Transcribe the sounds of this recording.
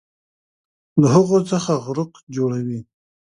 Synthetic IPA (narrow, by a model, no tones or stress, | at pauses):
laɦaɣot͡səxaɣɾʊqd͡ʒoɽawi